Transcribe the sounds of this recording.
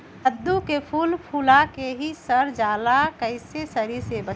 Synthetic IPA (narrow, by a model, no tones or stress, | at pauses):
əd̪ːukepʰuːlpʰuːlakeɦisəɾd͡ʒaːlakəɪsesəɾisebə